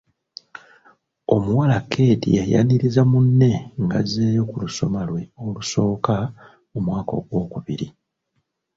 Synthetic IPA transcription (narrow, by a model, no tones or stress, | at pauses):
o̞muwalakʰːe̞ːtḭeja̰niɾizamunːe̞ŋɡaze̞ːjo̞kuluso̞malwe̞oluso̞ːka | omwaːko̞̰ɡwo̞ːkuβḭɾi